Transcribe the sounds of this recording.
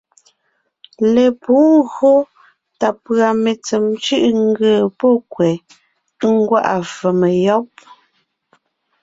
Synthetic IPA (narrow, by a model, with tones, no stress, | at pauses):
le˨puː˨˦ŋɣo˦ | ta˨pɰa˨me˨t͡se˨mt͡ʃɯ˦ʔŋ˦ɡə˨pɔ˦˨kwɛ˨˦ | ŋ̩˦ɡwa̰˦˨ʔa˨fə˨me˨jɔ˦p̚